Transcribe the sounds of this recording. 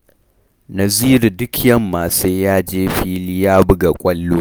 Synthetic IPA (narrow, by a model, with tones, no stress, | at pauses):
nɐ˨ziː˦ɾi˨dʊ˦kʰjɐ˦mːaː˨seː˦jaː˦d͡ʒeː˦ɸiː˦lɪ˦jaː˦bʊ˦ɡa˨kʷʼɐ˦lːoː˦